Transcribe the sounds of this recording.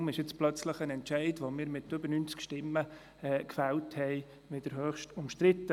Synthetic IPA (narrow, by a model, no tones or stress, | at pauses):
mɪʃjɪt͡splœt͡sləχənɛntt͡ʃɛɪdʋomɪːɾmɪtʏbəɾnynt͡skʃtɪmːə | ɛkfɛlthɛɪ | mɪd̥əɾɦøːχʃtʊmʃtɾɪt̪ːə